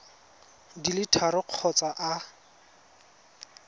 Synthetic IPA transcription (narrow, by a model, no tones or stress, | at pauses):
dilɪtʰaɾʊq͡χʰɔt͡sʼaʔa